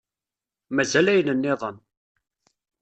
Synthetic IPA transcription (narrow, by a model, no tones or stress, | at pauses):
mæzælæjənənːɪðˤən